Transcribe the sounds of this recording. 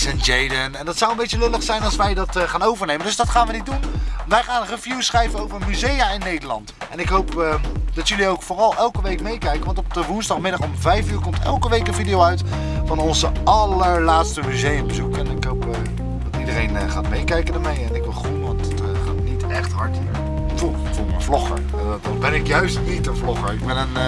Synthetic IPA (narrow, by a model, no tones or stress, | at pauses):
sɛnd͡ʒejdənɛndɑtsawənmbejcəlɪləχsɛjnɑlˠsʋɛjdɑtχaːnowvəɹnejməndɵsdɑtχaːnʋənit̚dunʋɛjχaːnrəvjusχrɛjvənowvəɹənmyzejaːɪnːejdəlɑ̰ntʔɛnɪkɦowpd̥ɑtjɵliowkfʊːrɑlˠʔɛlˠkəʋejkmejkɛjkənʋɑntɔp̚əʋunzdɑχmɪdɑχɔmvɛjfyːɹkɔmtɛ̰lˠkəʋejkənvidijowœɥt | fɑnɔnzəʔɑləɹlaːtstəmyzejəmbəzukɛnɪkɦowp | dɑtidərejnəχaːtmejkɛjkəndaːɹmejɛnɪkʋɪlˠχuʋɑntət | χa̰ːtnitɛχtɦɑɹtḭːɹ | to | foməvlɔχə̰ɹ | dɑt̚bɛnɪkjœɥstnitənvlɔχəɹɪɡbɛnən